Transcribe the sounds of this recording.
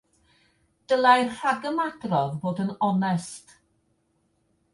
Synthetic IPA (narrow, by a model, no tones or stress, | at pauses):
d̥əlˠajrr̥aɡəmadrɔðboːdənɔnɛst